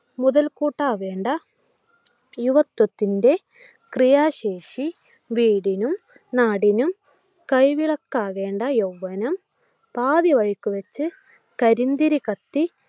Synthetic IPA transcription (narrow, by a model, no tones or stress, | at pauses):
muðɐlkuːʈːaːʋe̞ːɳɖɐ | juʋɐt̪ːwɐt̪ːinde̞ | krijaːɕeːʂi | ʋiːɽinum | naːɽinum | kɐjʋiɭɐkːaːɣe̞ːɳɖɐjowʋɐnɐm | paːðiʋɐɻikʲːuʋɐt͡ɕːɨ | kɐɾind̪iɾikɐt̪ːi